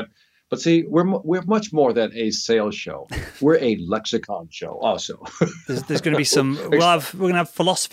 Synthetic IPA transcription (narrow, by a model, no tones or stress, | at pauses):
b̥ʌtsiwɪɹmwɪɹmʌt͡ʃmɔɹðɨ̃nɨseɪlˠʃo̰ʊwɪɹʔɨlɛksɨkʰɑ̰̃nʃo̰ʊʔɔlˠsoʊðəzðə˞zɡʌnəbisə̃mɛlˠəvwɪɹɡʌ̃nəəv̥fɪlɒsə̥f